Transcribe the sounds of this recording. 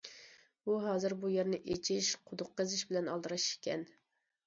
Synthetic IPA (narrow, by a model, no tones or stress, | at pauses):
buɦɑːzɨɾbujeɾnɪʔet͡ʃʰiʃqʰʊd̪ʊqːəzɪʃbɪlɛnɑlˠd̪ɨɾɑʃkʲɛn